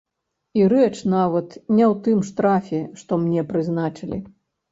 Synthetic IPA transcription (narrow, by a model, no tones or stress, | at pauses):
iɾɛt͡ʂnavɐt̪nʲɛwt̪ɨmʂt̪ɾafʲɛʂt̪ɔmnʲɛpɾɨznat͡ʂɨlʲḭ